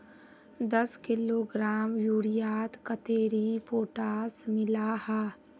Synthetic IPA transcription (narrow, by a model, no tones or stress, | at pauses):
d̪ɐskɪloːɡɾaːmjuːɾijaːt̪kət̪eːɾipoːʈaːsmɪlaːhɛː